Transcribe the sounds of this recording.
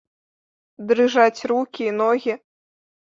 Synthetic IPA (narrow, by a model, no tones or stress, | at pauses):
d̪ɾɨʐat͡sʲrukʲiːnɔɣʲi